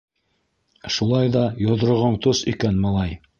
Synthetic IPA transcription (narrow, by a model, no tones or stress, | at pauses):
ʃulˠɑjðɑjŏð̆ɾŏʁoɴt̪osɵ̆jkænmɑlˠɑj